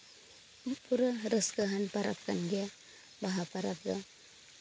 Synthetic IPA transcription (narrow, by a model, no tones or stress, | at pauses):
upʰuɾaɾəskəɦanpaɾa̰p̚kanɡija | baɦapaɾap̚da